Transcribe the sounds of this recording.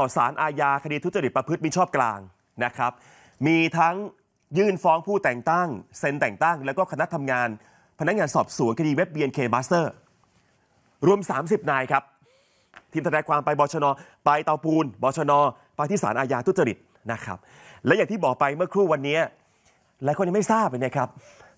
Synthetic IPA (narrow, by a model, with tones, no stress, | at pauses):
t̪ɔː˨˩saː˩˦nʔaː˧jaː˧kʰa˧diː˧u˦˥t̪̚a˧i˨˩t̪pːɾa˧pʰɯ˦˥t̪̚miː˦˥˩t͡ɕʰɔː˥˩p̚klaː˧ŋ | na˦˥kʰɾa˦˥p̚ | miː˧t̪ʰa˦˥ŋ | jɯː˥˩nfɔː˦˥ŋpʰuː˥˩t̪ɛː˨˩ŋt̪a˥˩ŋse˧nt̪ɛː˨˩ŋt̪a˥˩ŋlɛ˦˥wkɔː˥˩kʰa˧na˦˥t̪ʰa˧mŋaː˧n | pʰa˧na˦˥k̚ŋaː˧nsɔː˨˩p̚su˨˩˦nkʰa˧diː˧we˦˥p̚biː˧ʔe˧nkʰeː˧baː˦˥st̪ɤː˥˩ | ɾu˧əmsaː˩˦msi˨˩p̚naː˧jkʰa˦˥p̚ | t̪ʰiː˧mt̪ʰɾɛ˧jkʰwaː˧mpa˧jbɔː˧t͡ɕʰɔː˧nɔː˧pa˧jt̪a˧wpuː˧nbɔː˧t͡ɕʰɔː˧nɔː˧ | pa˧jt̪ʰiː˥˩saː˩˦nʔːjaː˧t̪u˦˥t̪̚t͡ɕa˧ɾi˨˩t̪̚ | na˦˥kʰɾa̰˦˥p̚ | lɛ˦˥jaː˨˩ŋt̪iː˥˩bɔː˨˩k̚pa˧jmɯ˥˩ɐkʰɾuː˥˩wa˧nːi˦˥ɐ | laː˨˦ko˧nː˧˥˩m˥˩jsaː˥˩p̚ːa˧na˦˥˩kʰɾa˦˥p̚